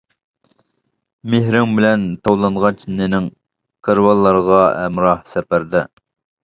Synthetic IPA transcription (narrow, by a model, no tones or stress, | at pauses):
meɦɾɪŋbɪlɛnt̪ʰɑwlˠɑɴʁɑt͡ʃnenɪŋ | kʰəɾwɑlˠːɑɾʁɑɛ̰mɾɑhsɛpæɾd̪ɪ